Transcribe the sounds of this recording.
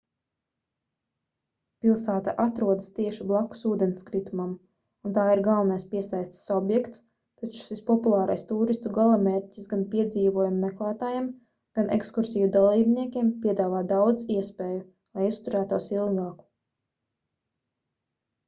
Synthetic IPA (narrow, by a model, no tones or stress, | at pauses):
pilˠsæːt̪aʔat̪ɾuɔd̪ɨst̪iɛʃiblˠaku̥suːd̪ɛnskɾit̪umam | unt̪aːiɾɡalˠnajspiɛsajst̪ḁsɔbjɛkt̪s | t̪at͡ʃu̥ʃispɔpulˠɑːɾajst̪uːɾist̪uɡalˠameːɾʲtʲisɡanpiɛd̪ziːvuɔjumːɛklˠæːt̪aːjem | ɡ̥anʔḛkskuɾsijud̪alˠiːbniɛkʲiɛmpʲiɛd̪aːvaːd̪awd̪ziɛspeːju | lˠajust̪uɾæːt̪uɔsilˠɡɑːku̥